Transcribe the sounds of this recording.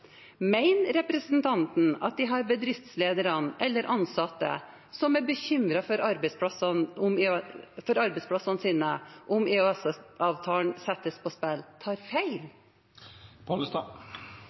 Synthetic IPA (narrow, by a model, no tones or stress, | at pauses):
mæɪnɾɛpɾəsn̩t̪ʰɑnt̪n̩ɑ̰t̪̚d̪ɪɦɑɾbəd̪ɾɪft̪sleːd̪əɾɑnʔɛlːəɾʔɑnsɑt̪ːə̰ | sɔmæɾbəçʏmɾɑfɔɾɑɾbɛspʰɑsnʊmfɔɾɑɾbɛɪspʰlɑsɑnsiːnəʔʊmeøɛsʔɑːʋt̪ʰɑːɳsɛt̪ːəspʰɔspɛlt̪ʰɑːɾfæɪl | pʰoləst̪ɑː